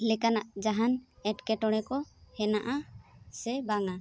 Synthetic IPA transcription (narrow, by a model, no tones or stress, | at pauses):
lɛkanaʔd͡ʒaɦanɛʈkɛʈɔɽɛkɔhɛnaʔasɛbaŋa